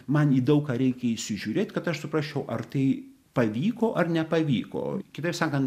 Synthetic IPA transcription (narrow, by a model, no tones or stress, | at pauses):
mɐniːd̪ɐʊkɑːɾʲɛɪkʲɛiʃʲsʲɪʒʲuːɾʲeːt̪ʲkɐt̪ɐʃsʊpɾɑːʃʲt͡ʃʲɛʊʔɐrt̪ɐɪ | pɐʋʲiːkoːʔɐrnʲɛpɐʋʲiːko̰ːkʲɪt̪ɐɪpsɑːkɐnt̪